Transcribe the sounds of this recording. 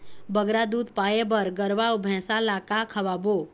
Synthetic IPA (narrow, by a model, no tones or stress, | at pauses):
bəɡɾad̪ud̪pajebəɾɡəɾʋawbʱɛ̃salakakʰəʋabo